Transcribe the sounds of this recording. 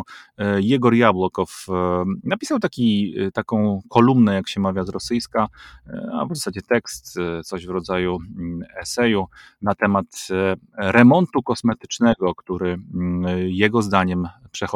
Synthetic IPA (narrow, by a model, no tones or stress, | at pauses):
jɛɡɔɾjabwɔkɔfnapʲisawt̪akʲit̪akɔ̃w̃kʰɔlumnɛjakɕɛmavʲjazɾɔsɘjska | a̰vzasad͡ʑɛt̪ɛkst̪t̪sɔʑvɾɔd̪zajuɛsɛju | nat̪ɛmat̪ | ɾɛmɔnt̪ukɔsmɛt̪ɘ̥t͡ʂnɛɡɔkt̪uɾɘ | jɛɡɔzd̪aɲɛmpʂɛxɔ